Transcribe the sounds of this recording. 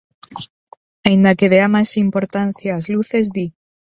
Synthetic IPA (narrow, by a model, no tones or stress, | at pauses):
aind̪akeð̞eamasimpo̞ɾt̪anθjaːzluθe̞zd̪i